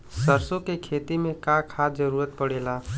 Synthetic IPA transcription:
səɾsokekʰet̪imẽkakʰad͡ʒəɾuɾət̪̚pəɽela

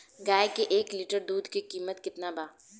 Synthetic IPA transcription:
ɡaːjkeʔeːklɪʈəɾd̪uːd̪ʱkikiːmət̪kɪt̪nabaː

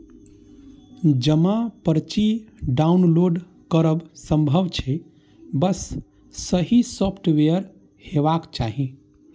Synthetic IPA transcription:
d͡ʒəmãpəɾt͡ʃiɖaunloɖ | kəɾəbsə̃mbʱəʋt͡ʃʰɛ | bəsː | əɦisɔpʰʈʋejəɾ | hebakt͡ʃaɦi

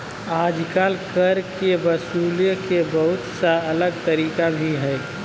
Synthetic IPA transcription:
aːd͡ʒkaːlkəɾkebəsuːljəkebəɦʊt̪saɐləɡt̪əɾiːkabʱiɦɛː

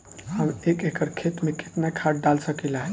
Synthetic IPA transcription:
həmekekəɾkʰet̪mẽke̥t̪nakʰaʈ̚ɖalsəkilaɦɛ

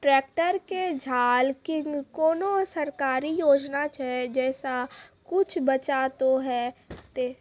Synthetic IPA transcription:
ʈɾɛːk̚ʈəɾked͡ʒʱaːlkɪkoːnõsəɾkaːɾijoːd͡ʒnat͡ʃaɦed͡ʒɛːsakʊt͡ʃʰbət͡ʃat̪oɦɛt̪eː

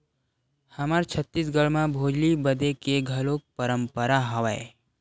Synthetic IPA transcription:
həmaɾt͡ʃʰət̪ːis̬ɡəɭmãbʱoːd͡ʒlibəd̪ekeɡʱəlok̚pəɾəmpəɾaɦɐʋaḛ

